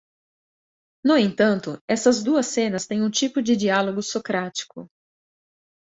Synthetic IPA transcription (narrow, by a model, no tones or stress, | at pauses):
nʊẽnt̪ɐ̃nt̪ʊɛsɐzd̪uɐsẽnɐst̪ẽj̃ũt͡ʃipʊd͡ʒɪd͡ʒialoɡʊsokɾat͡ʃi̥kʊ̰